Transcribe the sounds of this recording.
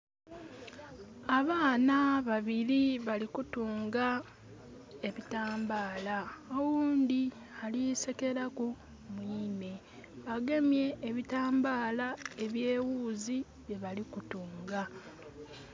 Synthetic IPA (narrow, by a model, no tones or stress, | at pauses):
aβaːnaβaβiɾiβalikutuːŋɡa | e̞βitaːmbaːlaowuːnd̪i | aliseke̞ɾaku | mwiːne̞ | βaɡe̞mje̞ːβitaːmbaːlae̞βje̞ːwuːzi | βje̞βalikutuːŋɡa